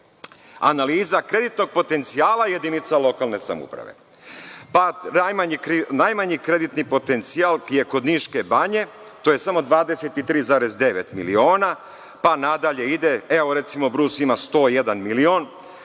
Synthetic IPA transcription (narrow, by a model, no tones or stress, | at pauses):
a̰naliːzakɾe̞d̪it̪no̞ɡ̚po̞t̪e̞nt̪sijaːlaje̞d̪init̪salˠo̞kalˠne̞sa̰mṵpɾa̰ʋḛ | panajmaɲikɾnajmaɲikɾe̞d̪it̪nipo̞t̪ent̪sialˠkjekod̪niʃke̞baɲe̞ | t̪oːje̞samo̞d̪ʋaːd̪e̞set̪it̪ɾiːzaːɾezd̪e̞ʋet̪milio̞ːna | panad̪aʎe̞id̪eeoɾe̞t̪simo̞bɾuːsimast̪o̞ːjed̪anmilio̞n